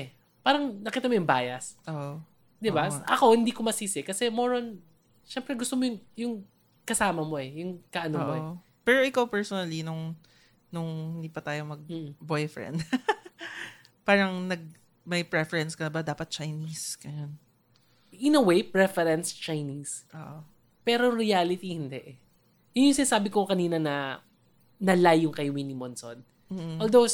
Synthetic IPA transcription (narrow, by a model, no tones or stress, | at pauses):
ɛ | paːɾɐŋnɐkiːt̪ɐmojʊŋba̰ːjɐsʔoʔ | d̪ɪbaʔɐko̞hɪ̃nd̪ikomɐsiːsɪkɐsɛmoɾon | ʃɛmpɾɛɡʊst̪omojʊŋjʊŋ | kɐsaːmɐmo̞ʔɛjʊŋkɐʔɐnomoɛ | pɛɹoʔɪkawpɛɹsonɐlinʊŋ | nʊŋhɪ̃nd̪iːpɐt̪aːjomɐɡ̩̚bojfɹɛ̰nd̪ | paːɾɐŋnɐɡ̚ | mɐjpɹɛfɛɹɛnskɐnɐbad̪aːpɐt̪̚t͡ʃɐjnisɡɐjon | ɪnɐwejpɹɛfɛɾɛnst͡ʃɐjnisʔo̰ːʔo | pɛːɾojʊŋɾɪaːlɪt̪ihɪnd̪ɛʔ | jʊnjʊŋsɪnasaːbɪkokɐniːnɐnɐ | nɐlajʊŋkɐjwinɪmonson | m̩ːʔmold̪ow